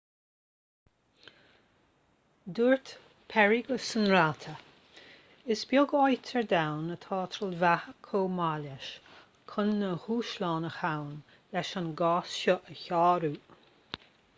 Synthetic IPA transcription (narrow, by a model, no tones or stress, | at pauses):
d̪uːɹt̪ | pʰɛɹiɡəsənɾat̪ʰə | ɪsbjʊɡɔjt̪ʰəɹd̪awnət̪ʰɑːt̪ʰɾəlvahəkʰoːmalaʃ | kʰʊnːəhuːʃlɑːnəxawn | lɛʃanɡɑːsʃɔʔəçɑːɾuː